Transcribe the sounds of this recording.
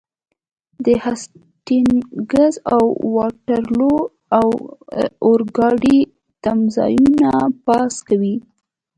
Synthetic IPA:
d̪əhas | ʈinɡazawwɑʈaɾlo | aw | oɾɡɑɖi | t̪amzɑ̰junapɑskawi

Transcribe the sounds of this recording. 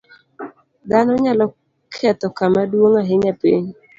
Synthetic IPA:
d̪anɔɲalɔ | kʰɛt̪ɔkamadwoŋaɦɪɲapḭɲ

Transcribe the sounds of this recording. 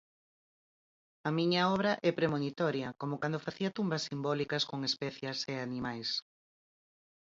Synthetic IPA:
ɐmiɲɐɔβ̞ɾɐʔɛpɾemonit̪ɔɾjɐkomokand̪ofaθiɐt̪umbɐsːimbɔlikɐskoŋespɛθjaseanimajs

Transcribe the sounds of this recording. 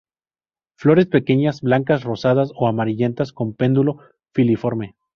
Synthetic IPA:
flo̞ɾe̞spe̞ke̞ɲazblaŋkasro̞sað̞aso̞amaɾiʝe̞nt̪asko̞mpe̞nd̪ulo̞ | filifo̞ɾme

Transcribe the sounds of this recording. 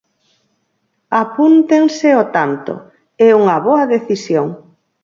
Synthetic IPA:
apunt̪eŋsɪot̪ant̪o̰ | ɛuŋɐβoɐðeθisjoŋ

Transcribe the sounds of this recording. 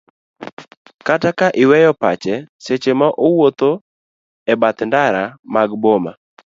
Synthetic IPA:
katakaʔɪwɛjɔpat͡ʃɛset͡ʃemaʔowot̪o | ɛbat̪ndaɾamaɡboma̰

